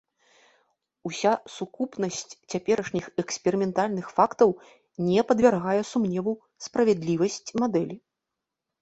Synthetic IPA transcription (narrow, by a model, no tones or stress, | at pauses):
usʲasukupnɐsʲt͡sʲt͡sʲapʲɛɾɐʂnʲixɛkspʲɛɾɨmʲɛnt̪alʲnɨxfakt̪ɐw | nʲɛpɐd̪vʲarɣajɛsumnʲɛvu | spɾɐvʲɛd̪lʲivɐsʲt͡sʲmad̪ɛlʲi